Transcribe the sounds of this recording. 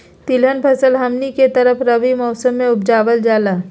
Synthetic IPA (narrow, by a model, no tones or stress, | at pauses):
t̪ɪlɦənpʰɐsəlɦɐmniket̪ɐɾəpʰɾɐʋimɔːsəmːẽʊbd͡ʒaːʋəld͡ʒaːlaː